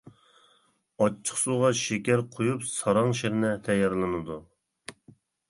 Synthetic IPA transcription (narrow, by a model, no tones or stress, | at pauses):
ɑt͡ʃʰːə̥χsuʁɑʃekʲæɾqʰojupsɑɾɑŋʃeɾɪnɛt̪ʰɛjːɑɾlˠɨnɨd̪u